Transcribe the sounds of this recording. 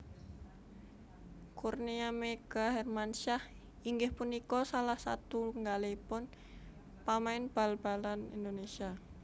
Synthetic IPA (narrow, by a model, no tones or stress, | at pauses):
kurniameɡ̥aɦɛrmanʃah | iŋɡɪhpunikɔsalahsat̪uŋɡalepʊn | pamaɪnb̥alb̥alanḭndonesia